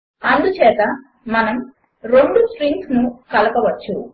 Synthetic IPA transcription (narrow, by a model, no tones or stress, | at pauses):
ɐnd̪ut͡ʃɛːt̪ɐ | mɐnɐm | ɾe̞ɳɖusʈɾiŋɡsnukɐlɐpɐʋɐt͡ʃːu